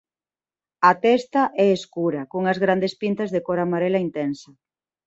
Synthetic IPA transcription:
ɐt̪ɛst̪aʔɛeskuɾɐkoŋɐzɣɾand̪espint̪ɐzðekoɾamaɾelaint̪ɛnsɐ

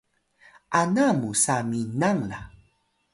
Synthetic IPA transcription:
anamusaminaŋla̰

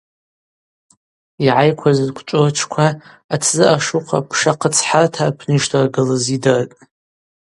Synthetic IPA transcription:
iʕajkʷʰazkʷʰt͡ʃʷʼot͡ʃʷʰkʷʰa | at͡sʰzɨʔaʂuqʰa̰pʰʂaqʰət͡sʰħartʰapʰnɨʃtʰarɡɨlazidartʼ

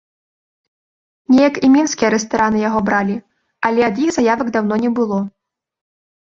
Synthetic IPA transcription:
nʲɛjɐkimʲinskʲijɐɾɛs̬t̪aɾanɨjaɣɔbɾalʲi | alʲɛad̪jixzajavɐɡd̪awn̪ɔnʲɛbɨlˠɔ

